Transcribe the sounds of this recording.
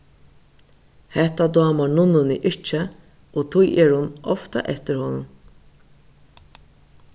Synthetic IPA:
hɛht̪ad̪ɔːmanʊnːʊnɪʔɪt͡ʃə | ɔːt̪ʰʊjɛɾhʊnɔft̪a̰ʔɛht̪ɪɾhɔːnʊn

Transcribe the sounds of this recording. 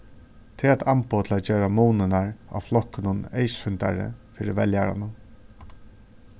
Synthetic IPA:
t̪ʰɪlat̪ʰampoːt̪ʰɪlæt̪̚d͡ʒeːɾamuːnɪnaɹa̰wflɔhkɪnʊnejsfʏnt̪a̰ɾɪ̰fiːɾɪvɛljaɾa̰nʊ

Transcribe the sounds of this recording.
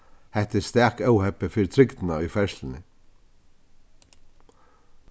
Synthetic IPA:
hɛht̪ɪst̪æːkœwhɛpəfɪɾt̪ʰɾɪkt̪ɪnaʏjfɛɹslɪnɪ

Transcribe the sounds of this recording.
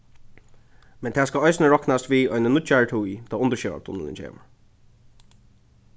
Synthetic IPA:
mɛnt̪ʰæːskaɔjsnəɹɔknast̪ʋiːɔʏnənʊt͡ʃaɹət̪ʰujt̪ʰaːʊnt̪əʃɛʋa̰pt̪ʰʊ̰nə̰nɪ̰nt͡ʃʰḛːʋə̰ɹ

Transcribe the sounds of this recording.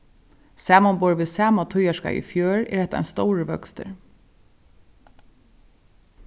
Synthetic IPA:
sæːmanbɔːɹʋɪðsæːmat̪ʰʊjaʃka̰ʔḭfjøːɹɛ̰ɹhɛht̪aa̰nst̪ɔwɹəʋœ̰kst̪ə̰ɹ

